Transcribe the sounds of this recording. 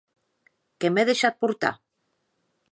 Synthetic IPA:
kemeðeʃat̪̚puɾt̪a̰

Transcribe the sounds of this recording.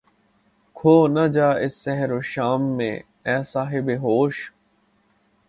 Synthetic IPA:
kʰoːnɐd͡ʒaːɪsːɛɦɾoːʃaːmːḛ̃ | ɛːsaːɦɪbeɦoːʃ

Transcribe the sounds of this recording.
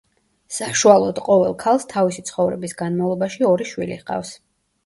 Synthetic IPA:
saʃualˠɔd̪̥qʼɔvɛlˠkʰalˠst̪ʰavisit̪sʰχɔvɾɛbisɡanmavlˠɔbaʃiɔɾiʃwilḭhqʼa̰fs

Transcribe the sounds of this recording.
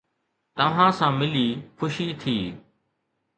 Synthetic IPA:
t̪əʋ̤ãːsãːmɪliːkʰʊʃiːt̪ʰiː

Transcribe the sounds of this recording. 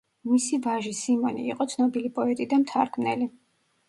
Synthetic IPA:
misivaʒisimɔnḭːqʼɔt̪sʰnɔbilipʼɔɛt̪ʼid̪amt̪ʰaɾkʰmnɛ̰li

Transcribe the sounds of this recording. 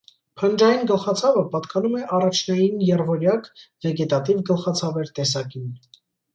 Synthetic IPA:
pʰənd͡ʒɑjinɡəlχɑt͡sʰɑvəpɑt̪kɑnumɛʔɑrɑt͡ʃʰn̪ɑjinjɛrvɔɾjɑkvɛɡɛt̪ɑt̪ivɡəlχɑt͡sʰɑvɛɾt̪ɛsɑkin

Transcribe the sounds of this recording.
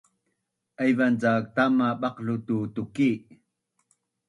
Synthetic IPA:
ʔajvant͡sak̚t̪amaɓɑqɬut̪ut̪uki

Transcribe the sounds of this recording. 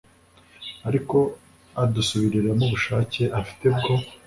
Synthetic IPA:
aɾiko̞ | adusuβiɾiɾamuβuʃaːce̞ʔafi̥te̞bɡo̞

